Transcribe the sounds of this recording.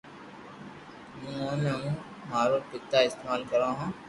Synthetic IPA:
mũːõneũː | ɦaːɾopɪt̪ːaːɪst̪maːlkəɾãːɦãː

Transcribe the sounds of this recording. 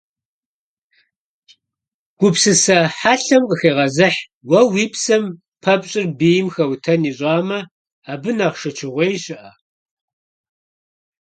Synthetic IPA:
ɡ̥ʷʊpsɨsɐħaːɬɐmqəxeːʁɐzɨħ | wɐwiːpsɐm | pʰɐpɕʼɪrbeːjɪmxɐwtʰɐniːɕʼɑːmɐ | aːbɨnɐʁʃɐt͡ʃʰɪʁʷejɕʼɪʔɐ

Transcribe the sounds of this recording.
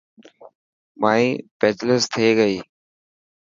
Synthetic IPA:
maːĩːpeːt͡ʃləst̪ʰeːɡəiː

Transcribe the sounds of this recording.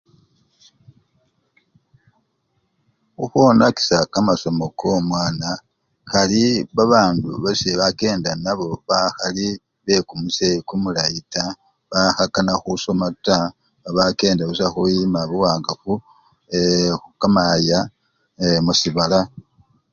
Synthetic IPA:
uxonaki̥sakamaso̞mo̞kʰomwaːna | xaliβaβaːnduβaseβake̞ːndanaβo̞βaxali | βe̞kumusekumulaita | βahakanaxuso̞mata | βake̞ːndaβusaxujimaβuwaːŋɡafu | exukamaja | emusiβala

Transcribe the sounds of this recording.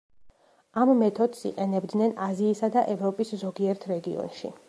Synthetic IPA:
amːɛt̪ʰɔd̪sḭqʼɛnɛbd̪nɛnaziːsad̪aʔɛvɾɔpʼiszɔɡiɛɾt̪ʰɾɛɡiɔ̰nʃḭ

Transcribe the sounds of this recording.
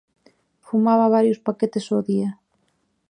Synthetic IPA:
fumaβɐβ̞aɾjʊspaket̪esoðiɐ

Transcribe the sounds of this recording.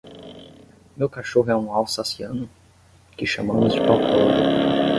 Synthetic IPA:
mewkaʃoɦʊɛũawsasiɐ̃nʊ | kɪʃɐmɐ̃mʊzd͡ʒɪpawkɛdʊ

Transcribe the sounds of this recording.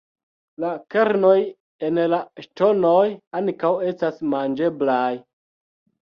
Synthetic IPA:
lakeɾno̞j | enlaʃtonojaŋkawe̞stasmand͡ʒe̞blaj

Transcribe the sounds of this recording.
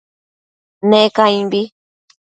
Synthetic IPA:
nekajbi

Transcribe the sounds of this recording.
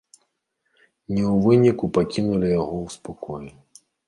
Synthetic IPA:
nʲɛwvɨnʲikupakʲinulʲijaɣɔwspakʰɔju

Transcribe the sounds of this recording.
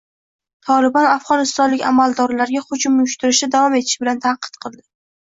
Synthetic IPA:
t̪ʰɒlɪbɒnafʁɒnɪst̪ɒnlɪkʲa̰malˠd̪ɒɾlaɾɡʲaχʊt͡ʃɪmʊjʊʃt̪ɪɾɪʃɪd̪avɒme̞t̪ʰɪ̥ʃbɪlant̪ʰaqɨ̥t̪qʰɨlˠd̪ɪ

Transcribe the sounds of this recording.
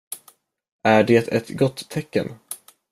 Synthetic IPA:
æɖeːt̪ɛt̪ɡɔt̪ʰːɛkːə̰n

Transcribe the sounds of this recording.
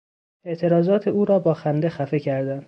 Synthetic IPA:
e̞ʔt̪ʰe̞ɾɒːzɒːt̪ʰeuːɾɒːbɒːxænd̪e̞xæfe̞cʰæɾd̪ænd̪

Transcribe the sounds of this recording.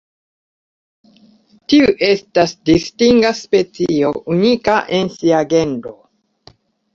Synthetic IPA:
tiuʔe̞stasdistiŋɡaspet͡sio̞ʔunikaʔensiaɡe̞ndo̞

